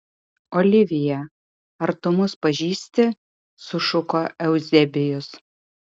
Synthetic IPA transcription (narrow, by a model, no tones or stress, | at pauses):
oːlʲɪʋʲɪjɛ | ɐɾt̪ʊmʊspɐʒʲiːsʲt̪ʲɪ | sʊʃʊkoːʔɛʊzʲɛbʲɪjʊs